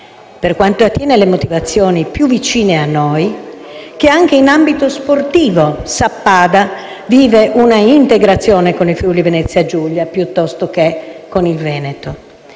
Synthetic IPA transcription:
perkwant̪oat̪ːjɛːnelemot̪ivat̪sːjoːnipjuvːit͡ʃiːneanːoj | k̟eaŋk̟einambit̪osport̪iːvosapːaːd̪a | viːveʔunaint̪eɡɾat̪sːjɔːnekonifjulivenɛt̪sːjad͡ʒuʎːapjut̪ːɔst̪ok̟ekːonilvɛːnet̪o

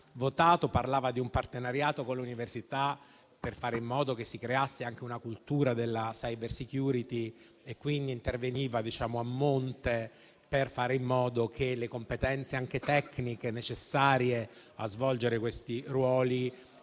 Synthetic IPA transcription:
vot̪aːt̪oparlaːvad̪iumpart̪enaɾjaːt̪okoluniversit̪a | perfaːɾeimːɔːd̪ok̟esːikɾeasːeaŋk̟eunakult̪uːɾad̪elːasajbersikjuːɾit̪i | ekːwind̪int̪erveniːvad̪it͡ʃaːmoamːont̪e | perfaːɾeimːɔːd̪ok̟elekompet̪ɛnt̪seaŋk̟et̪ɛkːnikenet͡ʃesːaːɾje | azvɔld͡ʒeɾekwest̪irwɔːli

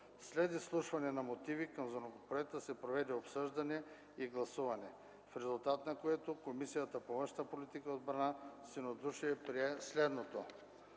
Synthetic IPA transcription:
slɛd̪islˠuʃvɐnɛnɐmot̪ivikɐmzonoɡopɾoɛt̪əsɛpɾovɛd̪ɛopsɤʒd̪ɐnɛ | iɡlˠɐsuvɐnɛ | fɾɛzulˠt̪at̪nɐkoɛt̪okomisijət̪ɐpovɤnʃt̪əpolit̪ikəod̪̚bɾɐnasinod̪uʃiɛpɾiɛslɛd̪not̪o

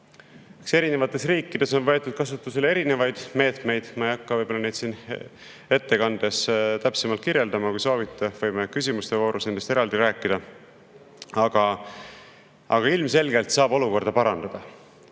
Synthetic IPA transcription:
ekse̞ɾine̞vɑt̪ːˑe̞sriːkːˑid̪̥e̞so̞nvɤet̪ːˑud̪̥̚kɑsut̪ːˑuse̞lee̞ɾine̞vɑjd̪̥me̞ːt̪ˑme̞jd̪̥mɑejɑkːɑvɤjb̥olːɑnejd̪̥sin | e̞t̪ːe̞kɑnd̪̥est̪æpsemɑlt̪̚kiɾje̞ld̪ɑmɑkujso̞ːvit̪ːˑevɤjmekysʲimust̪evo̞ːɾusnend̪̥est̪e̞ɾɑld̪iɾæːkːˑid̪̥ɑ | ɑɡ̥ɑ | ɑ̰ɡ̥ɑilmse̞lɡe̞lt̪sɑːbo̞luko̞rd̪ɑpɑɾɑnd̪̥ɑd̪̥ɑ

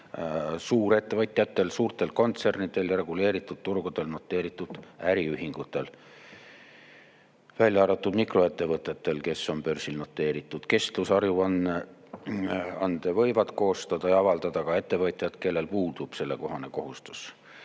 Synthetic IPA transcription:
suːɾe̞t̪ːe̞vɤt̪ʲˑjɑt̪ːˑe̞lsuːrt̪e̞lko̞nt̪se̞rnid̪̥e̞lre̞ɡ̥ule̞ːɾit̪ːˑud̪̥̚t̪urɡ̥ud̪̥e̞lno̞t̪ːˑe̞ːɾit̪ːˑud̪̥æɾiyɦiŋɡ̥ut̪ːˑe̞l | vælʲjɑɑɾɑt̪ˑːud̪mikro̞e̞t̪ːe̞vɤt̪ˑet̪ːe̞lke̞sːo̞npø̞rsilno̞t̪ːˑe̞ːɾit̪ːˑud̪̥ke̞st̪lusɑrjuɑn | ɑnd̪̥evɤ̞jvɑd̪̥ko̞ːst̪ɑd̪̥ɑjɑɑvɑld̪̥ɑd̪̥ɑkɑe̞t̪ːe̞vɤt̪ˑjɑd̪̥ke̞lːe̞lpuːd̪̥ub̥se̞lːe̞ko̞ɦɑne̞ko̞ɦust̪u̥s

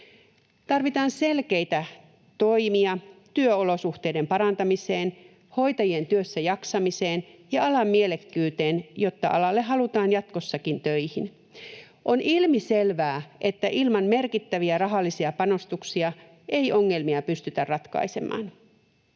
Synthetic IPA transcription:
t̪ɑrʋit̪ɑːnse̞lkejt̪æ | t̪o̞imiɑt̪yøolo̞suxt̪eide̞mpɑɾɑnt̪ɑmise̞ːn | ho̞jt̪ɑjie̞nt̪yøsːæjɑksɑmiseːnjɑɑlɑmːielekːyːt̪e̞ːnjo̞t̪ːɑ̰ʔɑlɑlːeɦːɑlut̪ɑːnjɑt̪ko̞sːɑkint̪øihin | ʔo̞nʔilmiselʋæːʔe̞t̪ːæʔilmɑnme̞rkit̪ːæʋiærɑɦɑlːisiɑpɑno̞st̪uksiɑ | ʔe̞jʔo̞ŋːe̞lmiɑpyst̪yt̪ærrɑt̪kɑ̰ise̞̰mɑ̰ːn

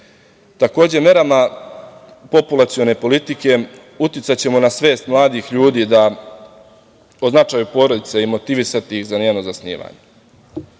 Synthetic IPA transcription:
t̪ako̞ːd͡ʑe̞mje̞ɾama | po̞pulˠat̪sio̞ne̞po̞lit̪ike̞ | ut̪jɪt̪sat͡ɕe̞monasʋe̞ːst̪mlˠaːd̪ixʎuːd̪iːd̪a | oznat͡ʃaːjupo̞ɾo̞d̪it̪seimo̞t̪iʋisat̪iixzaneno̞zasnḭːʋa̰ɲe

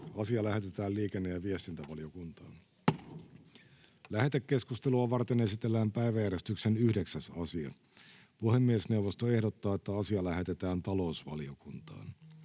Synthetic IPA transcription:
ɑsiɑlæhe̞t̪e̞t̪æːlliːkenːejæʋiest̪int̪æʋɑlio̞kunt̪ɑːn | læhe̞t̪ekːe̞skust̪e̞luɑʋɑrt̪ene̞sit̪e̞lːæːmpæiʋæjæɾest̪yksenyhde̞ksæsɑsiɑ̰ | puhemːiesne̞uwʋost̪oe̞hdot̪ːɑːet̪ːæɑsiɑlæɦe̞t̪e̞t̪æːnt̪ɑlo̞usʋɑ̰lio̞kunt̪ɑ̰ːn

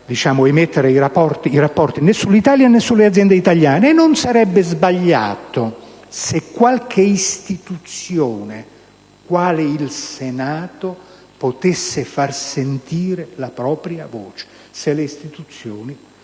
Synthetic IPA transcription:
d̪it͡ʃaːmʊemet̪ːeɾeiɾapːɔrt̪iiɾapːɔrt̪inɛsːulːit̪aːljanɛsːulːead̪zjɛnd̪eit̪aljaːnenːonsaɾɛbːezbaʎːa̰ːt̪o | sekːwalkʰeist̪it̪ut̪sːjoːne | kwaːleilsenaːt̪o | pot̪esːefarsent̪iːɾelapɾɔːpɾjavɔːt͡ʃe̥ | seleist̪it̪ut̪sːjoːni

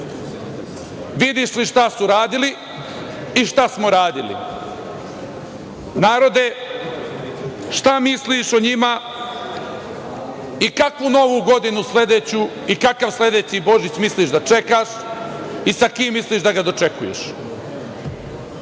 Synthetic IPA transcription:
ʋid̪iʃliʃt̪asuɾaːd̪ili | iʃt̪asmo̞ɾaːd̪ilḭ | naːɾo̞d̪e̞ | ʃt̪amisliʃoɲima | ikakʋuno̞ʋuːɡo̞d̪inusle̞d̪et͡ɕu | ikakaʋsle̞d̪eːt͡ɕibo̞ʒit͡ɕmisliʃd̪at͡ʃe̞kaʃ | isakiːmːisliːʃd̪aɡad̪o̞t͡ʃe̞kujḛʃ

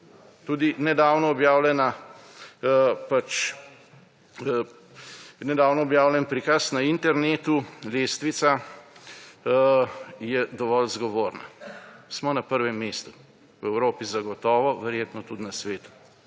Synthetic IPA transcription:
t̪uːd̪inɛd̪aːwnɔːɔbjaːwlʲɛna | pat͡ʃ | nɛd̪aːwnɔːbjaːwlʲɛnpɾikasnaint̪ɛɾneːt̪uleːst̪ʋit̪sa | jɛd̪ɔʋɔlzɡɔʋoːɾna̰smɔnapəɾʋɛmːeːst̪u | wɛwɾoːpizaɡɔt̪ɔːʋɔʋɛɾjeːt̪nɔt̪ud̪nasʋeːt̪u̥

